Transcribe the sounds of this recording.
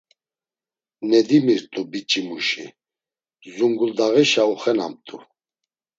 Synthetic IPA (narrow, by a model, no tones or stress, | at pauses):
nɛd̪imiɾt̪ʼubit͡ʃʼimuʃḭ | zuŋɡuld̪aɣiʃauχɛna̰mt̪ʼu